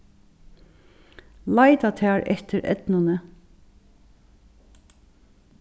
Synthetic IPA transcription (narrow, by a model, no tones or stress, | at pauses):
laɪt̪at̪ʰæːɹʔɛt̪əɾɛ̰t̪nanə